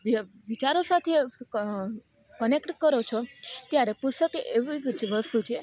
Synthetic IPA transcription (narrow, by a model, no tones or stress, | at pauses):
ʋi | ʋit͡ʃaɾosat̪ʰe | kənekʈkəɾot͡ʃʰot̪jaɾepusokeʔeʋiʋt͡ʃʰʋəst̪ut͡ʃʰe